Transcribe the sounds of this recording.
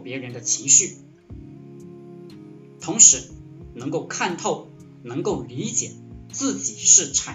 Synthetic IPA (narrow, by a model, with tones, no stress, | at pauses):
pjɛ˧˥ɻə˧˥nd̪ə˧t͡ɕʰi˧˥ŋɕy˥˩ | t̪ʰʊ˧˥ŋʂɻ̩˧˥nɤ˧˥ŋko˥˧ʊkʰa˥˧nt̪ʰo˥˩ʊ | nɤ˧˥ŋko˥˩ʊli˧˥t͡ɕjɛ̰˨˩˦t͡sɹ̩˥˩t͡ɕi˨˩˦ʂɻ̩˥˩ʈ͡ʂʰa˨˩